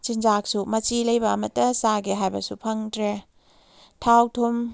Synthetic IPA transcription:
t͡ʃind͡ʒak̚sumɐt͡ʃilɐjbɐːmɐtːɐsaɡiɦajbɐ̰supʰɐŋdɾe | tʰawtʰum

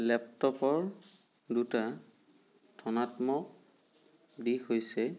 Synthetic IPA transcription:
lɛptɔpɔɹ | duta | tʰɔnatmɔk | dixojsɛ

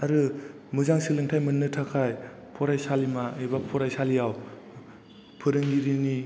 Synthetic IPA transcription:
aɾɯ | mɯzaŋsɯlɯŋtʰajmɯnːɯtʰakʰaj | pʰɔɾajsalimaejbapʰɔɾajsalijaw | pʰɯɾɯŋdiɾini

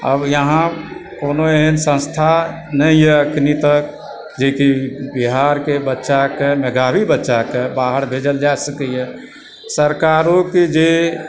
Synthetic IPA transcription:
ə̰bjəɦãkonoeɦənsə̃nst̪ʰa | nəjɛəknit̪ək̚ | d͡ʒekibiɦaɾkebətːʃakemeɡabibətːʃakebaɦəɾbʱed͡ʒəld͡ʒaesəkɛjɛ | səɾkaɾõked͡ʒe

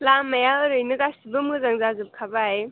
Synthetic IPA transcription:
lamːɐjaɾɯjnɯɡasibɯmɡɯzaŋzazɯp̚kʰabaj

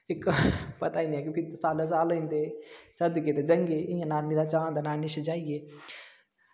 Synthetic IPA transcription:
ɪkpɐt̪aːinĩɦɛk̬jõːkit̪saːlos̬aːloint̪esɐd̪ket̪ed͡ʒɐŋɡeijãnaːniɾat͡ʃãːnt̪anaːniʃd͡ʒaːieː

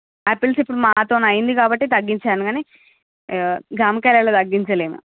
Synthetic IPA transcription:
epilsipːuɽumaːt̪oːnɐjind̪ikaːbɐʈːit̪ɐɡːiɲt͡ʃaːnuɡaːne | ɡɾaːmɐkɛːlaːlot̪ɐɡːiɲt͡ʃɐleːmṵ

